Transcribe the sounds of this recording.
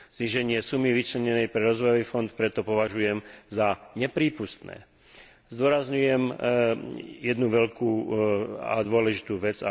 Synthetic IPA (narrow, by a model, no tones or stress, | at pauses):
zɲiʒɛɲɪɛsumiʋit͡ʃlɛɲɛnɛjpɾɛɾɔzʋɔjɔʋiːfɔnt̪pɾɛt̪ɔpɔʋaʒujɛmzaɲɛpɾiːpust̪nɛ̰ː | zd̪ʊɔɾazɲujɛm | jɛd̪nuʋɛʎkuː | a̰d̪ʊɔlɛʒit̪uːʋɛd͡za̰